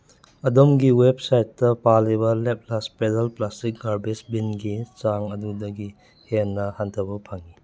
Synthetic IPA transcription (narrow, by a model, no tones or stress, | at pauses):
ɐdomɡiweb̚sajtːɐpalibɐlep̚laspedalplastik̚ɡaɾbesbinɡit͡ʃaŋɐdudɐɡi | henːɐhantʰɐbɐpʰaŋi